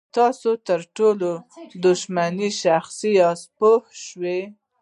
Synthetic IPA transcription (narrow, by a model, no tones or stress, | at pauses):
t̪ɑsot̪əɾʈolod̪ʊʃmaniʃaxsiɑspohʃwe